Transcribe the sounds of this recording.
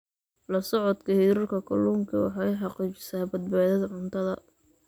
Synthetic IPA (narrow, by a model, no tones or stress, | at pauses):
lɐsɔʕɔd̪kʰɐhɪɾɐrkʰɐkʰɐluːŋkʰɐwɑ̰ħɑjħɑqiːt͡ʃɪ̥saːbɐd̪̚baːðɐðɐʕʊnt̪ʰɐðɐ̰